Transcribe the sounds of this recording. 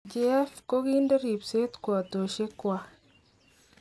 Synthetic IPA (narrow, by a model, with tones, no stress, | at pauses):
d͡ʒi˦ɛ˦fko˦ki˦nde˦ɾi˨pse˦tkwa˨to˨ʃe˦kwa˦